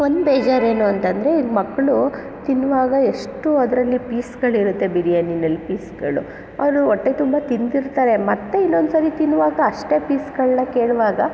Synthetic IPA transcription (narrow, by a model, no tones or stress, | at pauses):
o̞nd̪beːd͡ʒaːɾe̞ːnuɐnt̪ɐnd̪ɐɾe̞iɡmɐkːɐɭu | t̪inːuʋaːɡɐe̞ʂʈuɐd̪ɾɐlːipiːsɡɐɭiɾut̪ːe̞biɾijɐnːinːɐlːipiːsɡɐɭṵ | ɐʋɾuoɔʈːet̪umbɐt̪ind̪iɾt̪aːɾe̞mɐt̪ːe̞inːo̞nd̪sɐɾit̪inːuʋaːɡɐːʂʈe̞piːsɡɐɭnɐke̞ːɭʋaːɡɐ